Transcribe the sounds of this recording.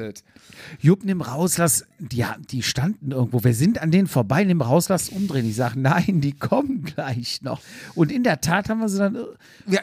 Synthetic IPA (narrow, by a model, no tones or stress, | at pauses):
tjʊpnɪmʁaʊslasd̥iːa̰d̥iːʃtandn̩ʔɪɐɡŋ̩tv̥oːviːɐzɪntandeːnənfoːɐbaɪnɪməʁaʊslasʔʊmdʁeːənɪçz̥aːɡənaɪndiːkʰɔmənɡlaɪçnɔ̰χʔʊntɪndeːɐtʰaːthaːbm̩viːɐzidanʔɪ